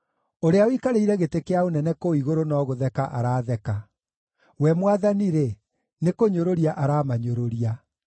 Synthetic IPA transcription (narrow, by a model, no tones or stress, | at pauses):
oɾeaoikaɾeiɾɛɣetekeaonɛnɛkoiɣoɾonɔːɣoðɛkaʔaɾaːðɛka | wɛmwaðaniɾe | nekoɲoɾoɾiaʔaɾaːmaɲoɾoɾia